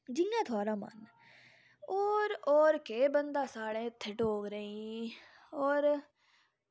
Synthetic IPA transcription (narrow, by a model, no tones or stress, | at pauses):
d͡ʒɪjãːt̪ʰʊaːɾaːma̰n | oːɾɔːɾkeːbənd̪aːsaːɽẽːt̪ʰːɪʈoːɡɾeĩ | ɔːɾ